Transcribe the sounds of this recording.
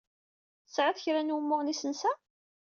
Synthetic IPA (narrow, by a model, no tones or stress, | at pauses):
θəsʕaθçɾænwəmːʊʁnisənsæ